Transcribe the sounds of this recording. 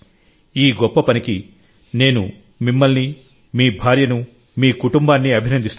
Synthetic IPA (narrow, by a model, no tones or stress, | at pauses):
iːɡɔpːɐpɐniki | ne̞ːnṵ | mimːɐlni | miːbʱaːɾjɐnu | miːkuʈumbaːnːiɐbʱinɐnd̪ist̪